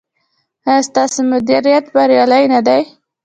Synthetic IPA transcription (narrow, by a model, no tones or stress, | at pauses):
st̪ɑsemʊd̪iɾijat̪baɾjɑlajnad̪aj